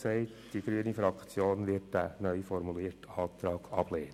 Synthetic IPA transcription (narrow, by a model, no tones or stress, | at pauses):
sɛɪtd̥iɡ̥ɾyənifɾɑkt͡sjoːnʋɪɾtdænœʏfɔɾmuliːɾtɑːtɾɑːɡ̥ɑb̥leːn